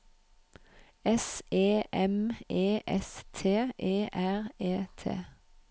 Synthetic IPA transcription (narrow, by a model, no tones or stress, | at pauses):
ɛseːʔɛmeːʔɛ̰st̪ʰeːʔeːʔæʁeːt̪ʰḛː